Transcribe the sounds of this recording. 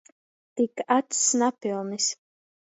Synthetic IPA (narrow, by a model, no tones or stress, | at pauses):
t̪ikat̪snapilmis